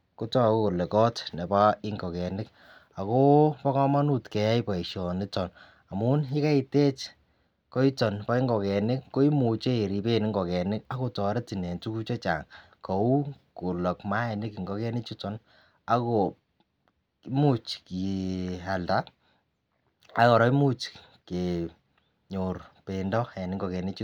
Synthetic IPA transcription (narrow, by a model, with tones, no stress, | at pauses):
ko˦tɔ˦˨ko˦ko˨le˨kɔ˦tne˨pa˦ɪ˦ŋɡɔ˨kɛ˨nɪ˦k | a˨ko˦pɔ˦kɔ˦ma˦nu˦tkɛ˨ja˦ipa˨i˨ʃɔ˨nɪ˦tɔ˨n | a˨mu˦ni˦ka˦i˨te˦t͡ʃ | kɔ˦i˦tɔ˨npa˦i˦ŋɡɔ˨kɛ˨nɪ˦kːo˦i˦mu˨t͡ʃe˦e˨ɾi˨pe˦nɪ˦ŋɡɔ˨kɛ˨nɪ˦ka˦ko˨tɔ˨ɾɛ˦ti˨nɛ˨ntu˦ku˦t͡ʃɔ˦t͡ʃa̰˨ŋ | kɔ˨u˦ko˨lɔ˨kma˦ɛ˨nɪ˦ki˨ŋɡɔ˨kɛ˦nɪ˦t͡ʃi˦tɔ˨n | a˦ko˨ | mu˦t͡ʃki˨a˨lta˦ | a˦kɔ˨ɾɔ˦i˦mu˦t͡ʃ | ke˨ | ɲo˨rpe˨ndɔ˦ɛ˨nɪ˦ŋɡɔ˨kɛ˨nɪ˦t͡ʃi˦